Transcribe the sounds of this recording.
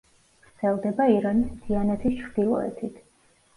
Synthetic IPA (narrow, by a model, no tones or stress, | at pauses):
ɡ̥ɾt̪zɛlˠd̪ɛbaiɾanisd̪ianɛt̪ʰist͡ʃʰɾd̪̥ilˠɔ̰ɛ̰t̪ʰit̪ʰ